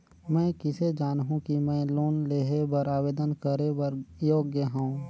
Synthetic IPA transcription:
mɛ̃ːkɪsed͡ʒaːnɦũkimɛ̃ːloːnleːɦebəɾaːʋeːd̪ənkəɾebəɾjoːɡjəɦõũ

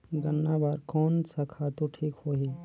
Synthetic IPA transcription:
ɡənːabaɾkoːnsɐkʰat̪uʈʰikhoːɦi

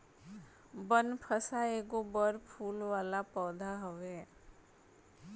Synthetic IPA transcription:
bənpʰəsaeːɡobəɾpʰuːlʋaːlapɔːd̪ʱaɦoʋe

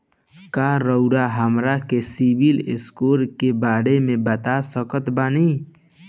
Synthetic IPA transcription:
kaːɾəʊɾaɦəmɾakesibilɪskoːɾkebaːɽemẽbət̪asəkət̪baːniː

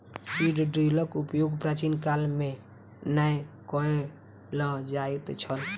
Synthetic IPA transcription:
siɖɖɾiləkupjoɡpɾat͡ʃinkalme | najkɔe | ləd͡ʒaet̪t͡ʃʰəl

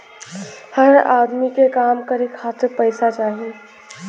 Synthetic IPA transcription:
həɾa̰d̪mikekamkəɾekʰat̪ɾpəɪsat͡ʃaːɦi

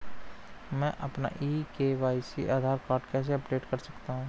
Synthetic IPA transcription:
mɛ̃ʔɐpna̰ʔiːkeʋaːisḭʔaːd̪ʱaːɾkaːɾɖkɛːs̬eɐpɖeːʈkɐɾsɐkt̪aɦũː

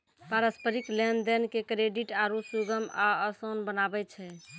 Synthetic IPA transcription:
paɾəspəɾiklɛnd̪ɛnkekɾeɖiʈaɾusuɡəmaəsonbənabɛt͡ʃʰɛ

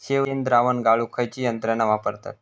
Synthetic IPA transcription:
ɕeʋend̪ɾaʋənɡaɭukʰajt͡ɕiːjənt̪ɾanaʋapəɾt̪a̰t̪

